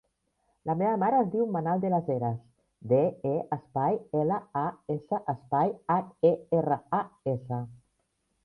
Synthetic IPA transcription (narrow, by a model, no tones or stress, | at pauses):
lameβəmaɾəːzd̪iwmanalˠd̪elazeɾas | d̪eeəspajeləaesəʔəspajateerəaesə